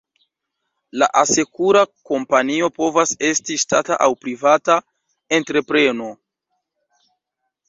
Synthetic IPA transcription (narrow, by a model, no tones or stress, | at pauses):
la̰ʔase̞kuɾako̞mpanio̞po̞vase̞stiʃtataʔawpɾivata | e̞ntɾe̞pɾe̞no̞